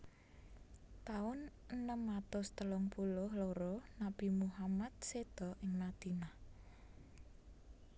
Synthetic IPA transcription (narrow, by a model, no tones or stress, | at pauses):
t̪aʊn | ənəmːat̪ʊst̪əlʊŋpulʊhloɾɔnab̥imuɦamat̪̚sed̪̥ɔ̤ʔɪŋmad̪̥i̤nah